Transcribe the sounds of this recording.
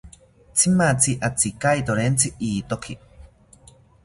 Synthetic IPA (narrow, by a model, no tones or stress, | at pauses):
t͡sʰimat͡sʰiʔat͡sikait̪oɾent͡sʰiʔiːt̪okʰi